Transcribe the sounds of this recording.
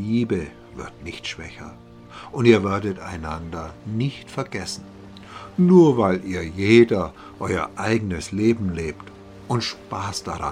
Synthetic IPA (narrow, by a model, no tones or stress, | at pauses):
iːbə | vɪɐtnɪçtʃv̥ɛçɐ̰ | ʔʊntiːɐvɛɐdəta̰ɪnandɐnɪçtfɛɐɡɛsn̩ | nuːɐvaɪlʔiːɐjeːdɐ | ʔɔʏɐ̰ʔaɪɡənəsleːbm̩leːpt | ʔʊntʃpaːsd̥aʁa̰